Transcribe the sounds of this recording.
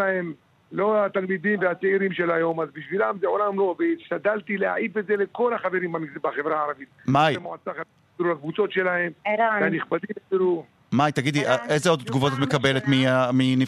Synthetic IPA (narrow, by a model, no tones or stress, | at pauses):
ahem | lo̞at̪almid̪imveat͡seiɾimʃelajo̞mazbiʃvilamzeʕolamlo̞veʃtad̪alt̪ileha̰ʕifetzeleko̞laχaveɾimanɡzibaχevɾaaɾavit̪̚majmoʕat͡saχa | d̪ɾulakvut͡so̞t̪ʃe̞lahemveaniχbad̪imtiɾu | majt̪aɡid̪iʔaʔezeo̞d̪at̪ɡuvot̪at̪mekabe̞let̪miamini